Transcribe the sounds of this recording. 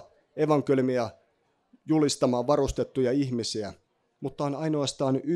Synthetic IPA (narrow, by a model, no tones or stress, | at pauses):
e̞ʋɑŋkelymiɑ | julist̪ɑmɑːʋʋɑrust̪e̞t̪ːujɑiçmisiæ | mut̪ːɑonɑjnoɑst̪ɑːny